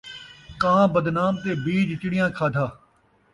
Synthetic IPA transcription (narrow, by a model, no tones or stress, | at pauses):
kãːbəd̪naːmt̪eːbiːd͡ʒɪt͡ʃɪɽɪjãːkʰaːd̪ʱaː